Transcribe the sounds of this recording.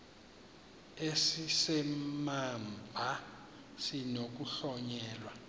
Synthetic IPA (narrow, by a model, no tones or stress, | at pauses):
esisɛmambʱa | sinok̬uɬɔɲɛːlwa